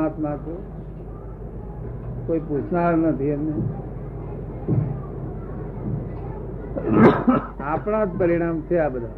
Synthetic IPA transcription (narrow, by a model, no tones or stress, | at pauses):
at̪mãt̪ʰe | koiput͡ʃʰnaɾnət̪ʰiemne | apɽ̃ãd͡ʒpəɾiɽ̃amt͡ʃʰeabəd̪ʱa